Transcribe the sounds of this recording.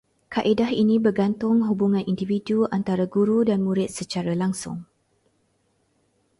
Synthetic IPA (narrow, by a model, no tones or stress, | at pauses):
kaʔedaɦinĩbərɡant̪ʊŋɦubuŋãnʔindividuant̪aɾaɡuɾudanmũɾɪt̪̚sət͡ʃaɾalaŋsʊ̰ŋ